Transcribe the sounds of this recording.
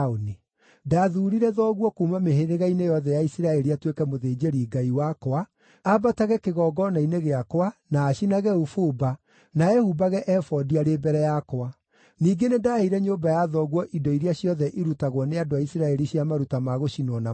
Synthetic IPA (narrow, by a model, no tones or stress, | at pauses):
oni | daðuɾiɾɛðɔːɣwɔkuːmameheɾeɣainejɔðɛjaisiɾaɛɾiatwekɛmoðeːd͡ʑeɾiɡaiwakoa | abataɣɛkeɣɔːɡɔnaineɣeakowanaːɕinaɣɛufoba | naɛhubaɣɛʔɛfɔdiaɾebɛɾɛjakoa | niːɡenedaheiɾɛɲoːbajaðɔɣwɔʔidɔiɾiaɕjɔðɛʔiɾutaɣwɔneadoaisiɾaɛɾiɕjamaɾutamaɣoɕinwɔna